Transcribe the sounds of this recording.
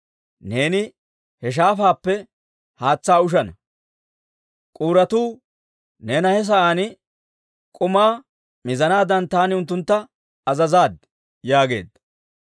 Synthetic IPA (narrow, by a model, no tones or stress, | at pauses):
ne̞ːnɪ | hɛʃ̬aːfaːpːɛ | haːt͡sːaːʊʃ̬ɐnɐ | kʼuːɾɐt̪uː | neːnɐhɛs̬ɐʔaːnɪ | kʼʊmaː | mɪzɐnaːd̪ɐnt̪aːnɪʊnt̪ːʊnt̪ːɐ | ɐzɐzaːd̪ | jaːɡe̞̰ːd̪ɐ